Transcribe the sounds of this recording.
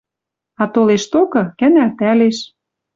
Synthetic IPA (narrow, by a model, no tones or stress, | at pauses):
ɑt̪oleʃt̪okɤ̆kæ̆nælt̪æleʃ